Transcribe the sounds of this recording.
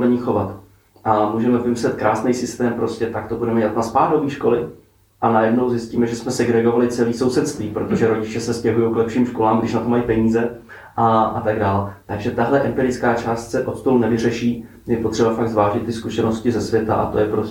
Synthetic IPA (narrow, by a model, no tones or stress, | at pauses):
ɛɲiːxo̞vat̪ | ʔamuːʒɛmɛvɪmɪslɛt̪kɾaːsnɛjsɪst̪ɛːmpɾo̞scɛt̪akt̪o̞budɛmɛɛlat̪naspaːɾoviːʃko̞lɪ | ʔanajɛdno̞wzjɪsciːmɛʒɛsmɛsɛɡɾɛɡo̞valɪt͡sɛliːso̞wsɛt̪st̪viːpɾo̞t̪o̞ʒɛɾo̞ɟɪt͡ʃɛsɛscɛɦujowklɛpʃiːmʃko̞laːmɡdɪʃnat̪omajipɛɲiːzɛ | ʔaat̪aɡdaːlɛt̪aɡʒɛt̪aɦlɛʔɛmpɪɾɪt͡skaːt͡ʃaːst̪sɛʔo̞t̪st̪olunɛvɪr̝ɛʃiː | jjɛpo̞t̪r̝̥ɛbafaɡzvaːʒɪt̪ːɪskuʃɛno̞scɪzɛsvjɛt̪a̰ʔa̰t̪o̞jɛpɾo